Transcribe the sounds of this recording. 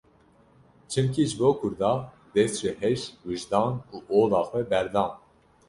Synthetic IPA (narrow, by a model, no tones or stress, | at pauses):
t͡ʃʰɨmcʰiʒɨboːkʰʊɾd̪ɑː | d̪ɛst̪t͡ʃɛhɛʃwiʒd̪ɑːnuːʔoːlɑːxwɛbɛɾd̪ɑːn